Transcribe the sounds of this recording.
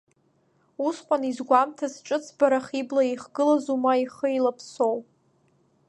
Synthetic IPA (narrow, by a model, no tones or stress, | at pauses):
usqʷʼanizɡʷamtʰazʈ͡ʂʼɨt͡sʰbaɾaχiblaiχɡɨlazumaiχəilapʰsowʼ